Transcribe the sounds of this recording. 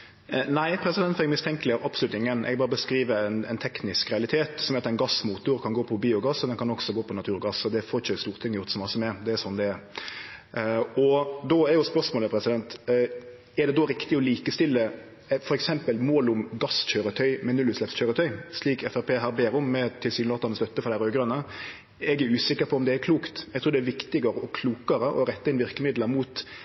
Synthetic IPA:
næɪpʰɾɛsɪd̪ɛnt̪fɔɾɛɡmɪst̪ʰɛŋkəlɪæɾʔɑpslʉt̪ɪŋːənʔɛ̰ɡbɑːɾəbəskɾiːʋəɛnɛ̰ɪnt̪ʰɛknɪskɾɛɑlɪt̪ʰeːt̪sɔmɛɾɑt̪ɛɪnɡɑsmuːt̪ʊɾkʰɑnɡoːpʰɔbiːʊɡɑsːɔd̪ɛnkʰɑnɔɡsɔɡoːpʰɔnɑt̪ʰʉːɾɔɡɑsɔd̪ɛfoːɾɪt͡ʃːəst̪uːʁt̪ʰɪŋːəjɔʁt̪sɔmɑsːəmɛd̪ɛɛsɔnːd̪ɛɛɾ | ɔd̪ɔɛɾjʊspœʁʂmoːləpʰɾɛsɪd̪ɛnt̪ | æd̪ɛd̪ɔɾɪkt̪ɪɔliːkəst̪ɪlːə | fɔɾɛksɛmpəlmoːlʊmɡɑsc͡çøːɾət̪ʰœʏmɛnʉlʉːslɛpsc͡çøːɾət̪ʰœʏʂliːkɛfæɾpeːɦæːɾbeːɾʊmːɛt̪ʰɪlsyːnlɑt̪ɑɾnəst̪œt̪ːəfɔɾd̪æɾøːɡɾœnːə | ɛɡæɾʉːsɪkːəɾpʰɔɔmd̪ɛæɾkʰluːkt̪ɛɡt̪ʰɾuːd̪ɛæʋɪkt̪ɪɡəɾəɔkʰluːkəɾəʔɔɾɛt̪ːəɪnʋɪɾkəmɪd̪ləɾmuːt̪

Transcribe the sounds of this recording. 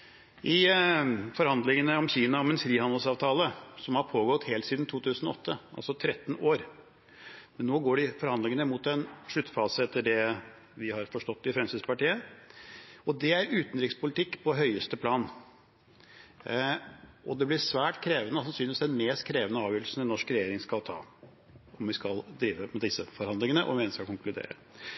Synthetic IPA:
ʔɪ | fɔɾhɑnd̪lɪŋənəɔmçiːnɑɔmɛnsɾiːhɑnd̪lsɑːʋt̪ʰɑːləsɔmhɑɾpʰoːɡɔt̪ːheːlsiːd̪n̩t̪ʰuːt̪ʰʉːsənɔ̰ɔt̪ʰːəɑ̰lsɔt̪ʰɾɛt̪ːnoːɾ | mɛnːoːɡoːɖɪfɔɾhɑnd̪lɪŋənəmʊt̪ɛnʂɭʉt̪ːfɑːsəɛt̪ʰːəɖɛ | ʋɪhɑɾfɔʂʈɔt̪ːɪfɾɛnsəspɑʈiːə | ɔd̪ɛæɾʉːt̪n̩ɾɪkspʊlɪt̪ʰɪkːpʰɔɦœʏəst̪əpʰlɑːn | ʔɔd̪ɛblɪʂʋæːʈkʰɾeːʋənəɔsɑnsynɪʋɪsd̪ɛnmeːst̪kʰɾeːʋənəɑːʋjœːɾlsn̩ɛnɔʂkɾɛjeːɾɪŋskɑlt̪ʰɑ̰ː | ɔmʋɪskɑld̪ɾiːʋəmɛd̪ɪsːəfɔɾhɑnd̪lɪŋənəʔɔ̰mʋɪɛnskɑkʊŋklʉd̪ḛːɾə̰

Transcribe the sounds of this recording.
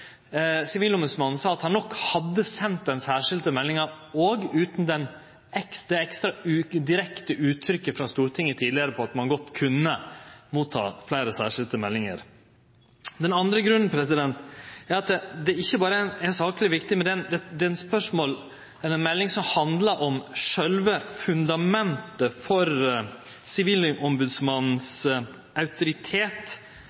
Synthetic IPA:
sɪʋiːlʊmʉsmɑnsɑːɑt̪hɑnːɔkːhɑd̪ːəsɛnt̪̚d̪ɛnsæːʂɪld̪əmɛlːɪŋɑ | oːɡʉːt̪n̩d̪ɛn | ʔɛksd̪ɛɛkst̪ɾɑʉːd̪ɪɾɛkt̪əʉːt̪ʰɾʏkːəfɾɑst̪uːɾt̪ʰɪŋːət̪ʰiːd̪ɪəɾəpʰɔɑt̪mɑnɡɔt̪ːkʰʉnːəmuːt̪ʰːɑ̰ːflæɪɾəsæ̰ːʂɪld̪əmɛlːɪŋə̰ɾ | d̪ɛnɑnd̪ɾəɡɾʉnn̩pʰɾɛsɪd̪ɛnt̪æɾɑt̪ɛd̪ɛɪçːəbɑːɾənæsɑːklɪʋɪkt̪ɪmɛd̪ɛnd̪ɛd̪ɛnspœʂmoːl | ɛɾɛnmɛlːɪŋsɔmhɑnd̪ləɾʔɔmʂœlʋəfʉnd̪ɑmɛnt̪əfɔɾ | sɪʋiːlʔɔmbʉd̪smɑnn̩s | ʔɑʉt̪ʊɾɪt̪ʰeːt̪

